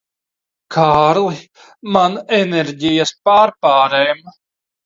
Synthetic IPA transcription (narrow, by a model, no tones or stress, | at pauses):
kʰaːɾlˠi | manɛneɾɟijɐspaːɾpaːɾɛːm